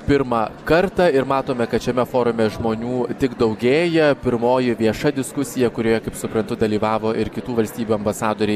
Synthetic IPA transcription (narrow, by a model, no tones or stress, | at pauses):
pʲɪɾmɑkɐɾt̪ɑːɪɾmɑːt̪oːmʲɛkɐt̪ʃʲɛmʲɛfoːɾʊmʲɛʒmoːnʲuːt̪ʲɪkd̪ɒʊɡʲeːjɛpʲɪɾmoːjɪʋʲiɛʃɐd̪ʲɪskʊsʲɪjɛkʊɾʲoːjɛkɐɪpsʊpɾɐnt̪ʊd̪ɐlʲiːʋɑːʋoːʔɪɾkʲɪt̪uːʋɐlʲsʲt̪ʲiːbʲuːɐmbɐsɑːd̪oːɾʲɪ